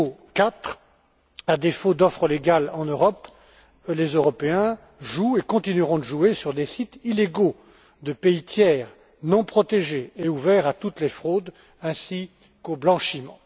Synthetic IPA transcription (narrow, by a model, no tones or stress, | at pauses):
okat̪χ | ad̪efod̪ɔfχəleɡʲalɑ̃nøʁɔp | lezøʁɔpeɛ̃ | ʒuekɔ̃t̪inyʁɔ̃d̪əʒuesyʁd̪esit̪ileɡo | d̪əpeit̪jɛːʁ | nɔ̃pχɔt̪eʒeːuvɛʁat̪ut̪lefχod̪ | ɛ̃si | koblɑ̃ʃimɑ̰̃